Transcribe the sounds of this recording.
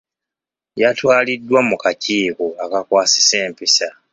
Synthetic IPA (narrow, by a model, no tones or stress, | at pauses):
jatwaːlidːwamukaciːkoakakwaːsi̥se̞ːmpisa